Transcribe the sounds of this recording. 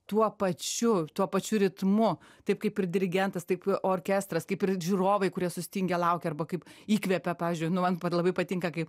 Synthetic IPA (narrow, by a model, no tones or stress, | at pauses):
t̪uɔpɐt͡ʃʲʊt̪uɔpɐt͡ʃʲʊɾʲɪt̪mʊ | t̪ɐɪp̚kɐɪpɪrd̪ʲɪɾʲɪɡʲɛnt̪ɐst̪ɐɪpoːrʲkʲɛst̪ɾɐskɐɪpɪrʒʲuːroːʋɐɪkʊɾʲiɛsʊsʲɪ̥t̪ʲɪŋʲɡʲɛlˠɐʊkʲɛɐrbɐkɐɪpiːkʋʲɛpʲɛpɑːʋʲɪːzʲd͡ʒʲʊɪnʊmɐnpɐlˠɐbɐɪpɐt̪ʲɪŋkɐkɐɪp